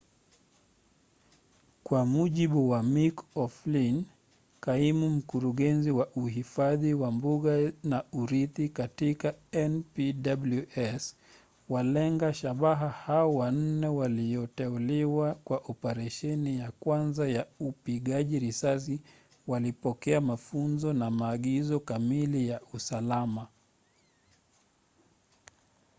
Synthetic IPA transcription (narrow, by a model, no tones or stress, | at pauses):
kwamuʄiɓuwamikɔflin | kaimum̩kuɾuɠɛnziwaʔuɦifaðiwambuɠanauɾiθikatikaɛnpiɗabluɛs | walɛŋɡaʃaɓaɦahaɔwan̩nɛwalijɔtɛuliwakwaʔɔpɛɾɛʃɛnijakwanzajaupiɠaʄiɾisas̬i | walipɔkɛamafunzɔnamaːɠizɔkamilijausalama